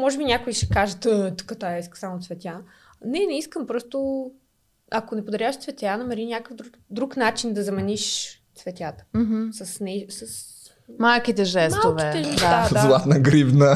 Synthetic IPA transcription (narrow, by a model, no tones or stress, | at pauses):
mɔʒɛbinʲjakʊiʃɛ̥kaʒət̪ət̪ə̥kət̪aisksamot̪svɛt̪ja | nɛnɛiskəmpɾɔst̪ʊ | akonɛpod̪ɐɾʲjaʃt̪svɛt̪ʲjanɐmɛɾinʲakəfd̪ɾu | d̪ɾuknat͡ʃind̪ɐzɐmɛniʃt̪svɛt̪ʲjat̪ə̥m̩ɦsɐsnɛsɐs | malˠkit̪ɛʒɛsmat̪ovkiɛɛɛdd̪add̪azlˠat̪nəɡɾibnə